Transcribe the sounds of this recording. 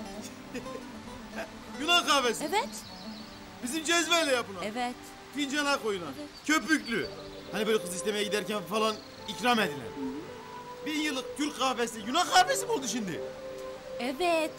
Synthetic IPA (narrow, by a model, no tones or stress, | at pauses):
junakaːfɛsɛvɛt̪ | bizimd͡ʒɛzvɛjlʲɛjapɯnaɛvɛt̪ | t̪ʰind͡ʒalˠakʰo̞junancʰøpyclʲy | hanibølʲɛkɯziʃt̪ʲɛmɛjɛɟid̪æɾcænfalˠan | icɾamed̪ilʲæ̰n | bijɯlˠɯk̚cʰylʲkaːfɛsijunakaːfesibolˠd̪uʃimd̪ɪ̰ | ɛvɛt̪